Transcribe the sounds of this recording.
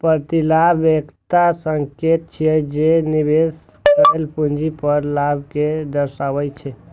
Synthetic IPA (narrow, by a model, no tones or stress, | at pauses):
pəɾt̪ilabekt̪asəŋket̪̚t͡ʃʰijɛd͡ʒenibes | kəelpund͡ʒipəɾlabʱked̪əɾʃaʋɛt͡ʃʰɛ